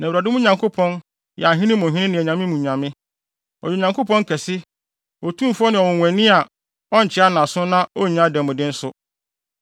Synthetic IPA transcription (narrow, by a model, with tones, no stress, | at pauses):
nɛ̃˨wɾa˨dɪ̃˦mũ˦ɲã˨ŋkʰo˦pʰɔ̃˦n | jɛ˨a˨ɦɪ̃˦nɪ̃˦mʊ̃˨ɦɪ̃˦ɪ̃˦nɪ̃˨ɛ˨ɲã˨mɪ̃˦mũ˨ɲã˨mɪ̃˦ | ɔ̰˨jɛ˨ɲã˨ŋkʰo˦pʰɔ̃˦ŋ˦kʰɛ˨sɪ˦ | ɔ˨tʰũ˦˨fɔ˦nɪ̃˨ɔ˨wʊ̃˨ɛ̃˨nɪ̃˦a˨ | ɔ˦ɲ̩˨t͡ɕʰɪ˦a˦nã˨sʊ̃˦nã˦o˦˨ɲã˦dɛ˨mʊ̃˨dɪ̃˦n̩˦sʊ˦